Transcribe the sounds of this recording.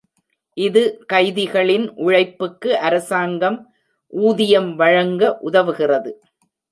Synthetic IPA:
ʔɪðɯkɐɪðɪɣɐɭɪnʔʊɻɐɪpːɯkːɯʔɐɾɐsaːŋɡɐm | ʔuːðɪjɐmʋɐɻɐŋɡɐʔʊðɐʋɯɣɪrɐðɯ

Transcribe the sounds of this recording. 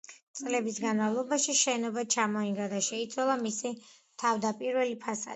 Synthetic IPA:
sʼlɛbisɡanmavlˠɔbaʃiʃɛnɔbat͡ʃʰamɔiŋɡad̪aʃɛit̪sʰwalˠamisi | t̪ʰavd̪apʼiɾvɛlipʰasa̰

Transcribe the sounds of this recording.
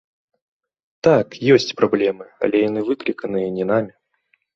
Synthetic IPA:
t̪akjesʲtʲpɾɐblʲemɨɐ̰lʲejnɨvɨkɾʲɪkənɨjənʲɪnamʲɪ

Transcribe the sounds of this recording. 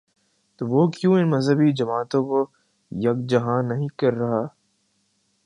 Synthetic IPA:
t̪oʋoːkjũːɪnmɐzɦəbid͡ʒɐmaːt̪õko | jɐk̚d͡ʒɐɦãːnːɐɦĩkɐɾːɐɦaː

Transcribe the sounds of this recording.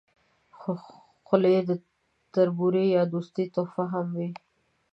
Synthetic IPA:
xo | xʊljed̪ə | t̪aɾbuɾejɑd̪ust̪it̪ofaɦamwi

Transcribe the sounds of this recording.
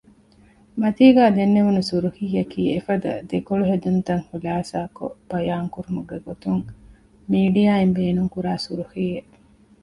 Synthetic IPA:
mɐt̪iːɡæːd̪enːeʋunusuɾuhiːjɐkʰiːefɐd̪ɐ̰d̪ekoɭuɦed̪unt̪ɐŋhulaːsaːko̰b̥ɐjaːŋkuɾumuɡeɡot̪uŋ | miːɖijaːimbeːnuŋkuɾaːsuɾuhiːeʔ

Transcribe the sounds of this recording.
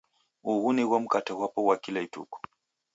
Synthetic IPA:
uɣunɛɣwam̩kataɣwapɔwakilaitṵkɔ̥

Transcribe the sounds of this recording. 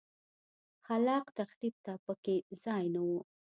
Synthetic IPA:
xalɑqt̪axɾib̚t̪apəkezɑjnawu

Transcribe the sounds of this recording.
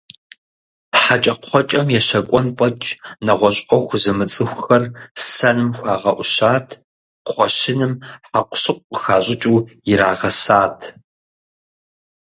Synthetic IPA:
ħat͡ʃʼɐqʰʷɔt͡ʃʼɐmjɛʃɐkʷʼɔnfʼɐt͡ʃʼnɐʁʷɔɕʼɔxʷzɨmɨt͡sʼɨxʷxɐrsɐnɨmxʷɑːʁɐʔʷʊɕaːtʰ | χʷɔɕɪnɨmħaqʷʊ̥ɕɨqʷʼəxaːɕʼɪt͡ʃʼuːjɪɾaːʁɐsaːtʰ

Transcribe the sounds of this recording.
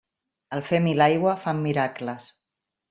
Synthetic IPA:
əlˠfemilajɣwəfamːiɾakləs

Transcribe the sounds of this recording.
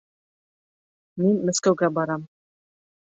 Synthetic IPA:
minmæskæwɡæbɑɾɑm

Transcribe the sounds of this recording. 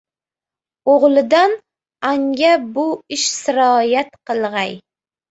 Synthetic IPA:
oʁlˠɪd̪an | aŋɡʲabʊɪʃsɪɾɒjat̪qɨlˠʁɑj

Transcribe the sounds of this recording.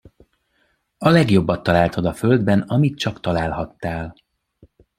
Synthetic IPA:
ɒlɛɡjo̞bːɒt̪ːɒlaːlt̪ʰod̪ɒfø̞ld̪bɛnɒmit̪t͡ʃɒkt̪ɒlaːlɦɒt̪ːaːl

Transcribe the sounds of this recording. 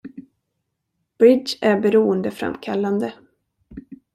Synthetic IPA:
b̥ɾɪd̪d͡ʒæɾbɛɾuːənd̪əfɾa̰mkʰalːand̪ə

